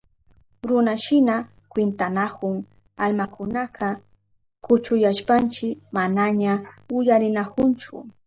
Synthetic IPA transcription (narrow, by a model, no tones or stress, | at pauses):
ɾʊnaʃɪna | kwɪnt̪anakʊŋ | almakʊnaqʰɑ | kʊt͡ʃʊjaʃpant͡ʃɪmanaɲaʊjaɾɪnakʊnt͡ʃʊ̰